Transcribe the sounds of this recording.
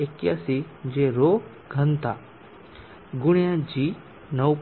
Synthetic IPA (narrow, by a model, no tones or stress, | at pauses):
ekjasid͡ʑeɾo | ɡʱənt̪a̰ | ɡuɽ̃jad͡ʑi | nəwp